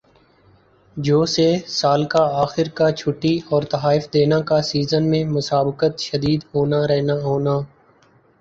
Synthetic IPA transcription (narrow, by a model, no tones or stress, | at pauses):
d͡ʒoːsesaːlkaaːxɪɾkat͡ʃʰʊʈːiɔːɾt̪ɐɦaːɪfd̪eːnakasiːzənmẽmʊsaːbɪkət̪ʃəd̪iːd̪ɦoːnaɾɛɦnaɦoːnaː